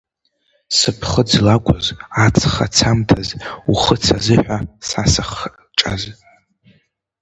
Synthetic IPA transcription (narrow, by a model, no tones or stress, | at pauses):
sɨpʰχəd͡zlakʷʼʊzat͡sʰχat͡sʰamtʰazuχət͡sʰazɨħᶣʷasasaχ | ʈ͡ʂʼa̰z